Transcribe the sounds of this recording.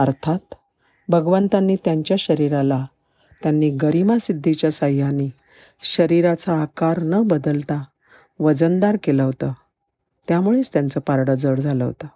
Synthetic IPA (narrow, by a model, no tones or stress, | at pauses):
əɾt̪ʰat̪ | bʱəɡʋənt̪anːiːt̪jaɲt͡ɕjaɕəɾiɾala | t̪janːiːɡəɾimasid̪ʱːit͡ɕjasəjjaniː | ɕəɾiɾat͡saːkaɾnəbəd̪əlt̪a | ʋəd͡zənd̪aɾkeləɦot̪ə | t̪jamuɭet͡st̪jant͡səpaɾɽəd͡zəɽd͡zʱaləɦo̰t̪ə